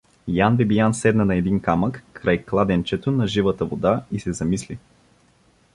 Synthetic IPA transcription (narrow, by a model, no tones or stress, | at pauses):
janbibijansɛd̪nɐnɐɛd̪inkaməkːɾajklˠad̪ɛnt͡ʃɛt̪onɐʒivət̪əvod̪aisɛzɐmisli